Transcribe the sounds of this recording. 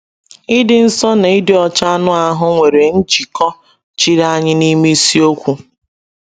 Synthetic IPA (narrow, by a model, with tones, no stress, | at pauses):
ɪ˦dɪ˦n̩˦sɔ˦na˨ɪ˦dɪ˨ɔ˨t͡ʃa˦nʊ˦a˦ɦʊ˦ŋʷe˨ɾe˨n̩˦t͡ʃi˨kɔ˦ | t͡ʃi˦ɾa˦ɲɪ˦ni˦me˦si˦o˦kʷu˦